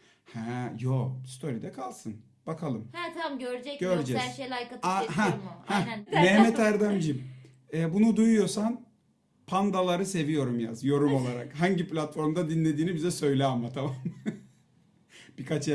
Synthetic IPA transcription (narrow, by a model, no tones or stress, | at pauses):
hɛjost̪ʰo̞ɾid̪ɛkʰalˠsɯn | b̥akʰalˠɯmht̪ʰamɟøɾd͡ʒɛɟ̥øɾd͡ʒɛzɾʃejlajkat̪aɦɛhɛnɛhmɛt̪æɾd̪æmd͡ʒim | ɛːbunud̪ujujo̞san | pʰand̪alˠaɾɯse̞vijo̞ɾumja̰zjo̞ɾumo̞lˠaɾa̰kɦaɲɟiplʲat̪fo̞ɾmd̪ad̪inlʲe̞d̪iːnibizɛsø̞jlʲɛmat̪ʰamam | b̥ikʰat͡ʃ